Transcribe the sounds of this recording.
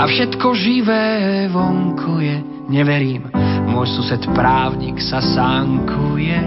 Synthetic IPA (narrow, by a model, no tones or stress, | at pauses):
afʃɛt̪kɔʒiʋɛːʋɔŋkʰujɛ | ɲɛʋɛɾiːmmʊɔjsusɛt̪pɾaːʊɲiksasaŋkʰujɛ